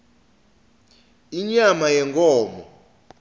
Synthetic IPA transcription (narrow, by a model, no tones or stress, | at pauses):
iɲamajɛŋkʼɔːmɔ̰